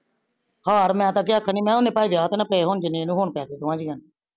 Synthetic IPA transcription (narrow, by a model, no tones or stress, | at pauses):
haːɾmɛ̃ːt̪̬ãːk̬ɪaːkʰːəniːmɛ̃ːoneːpaːiːd̪aːt̪ːnãːpeeːɦoːnd͡ʒɪnẽːnũːɦoːɳpɛːt̪eːt̪ʊʋãːd͡ʒiːɦən